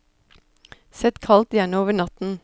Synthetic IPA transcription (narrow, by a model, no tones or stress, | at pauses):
sɛt̪kʰɑlt̪jæːɳəoːʋəɳɑt̪n̩